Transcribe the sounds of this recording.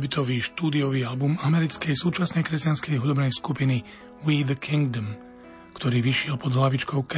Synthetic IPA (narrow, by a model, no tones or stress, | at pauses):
bit̪ʰɔʋiːʃt̪uːd̪iɔʋiːalbumamɛɾit͡skɛjsuːt͡ʃasnɛjkɾɛscanskɛjɦud̪ɔbnɛjskupini | wid̪əkʰiŋɡd̪ɔm | kt̪ɔɾiːʋiʃɪɛlpɔd̪ɦlaʋit͡ʃkɔʊk